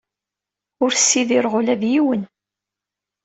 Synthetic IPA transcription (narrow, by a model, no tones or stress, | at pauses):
ʊɾsːiðiɾʁʊlæðjiwən